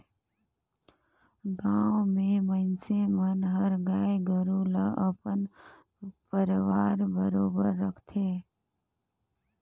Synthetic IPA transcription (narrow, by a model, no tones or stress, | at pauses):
ɡãwmẽmənsemənɦəɾɡaːjɡəɾuləʔəpən | pəɾʋaːɾbəɾoːbəɾːəkʰt̪ʰeː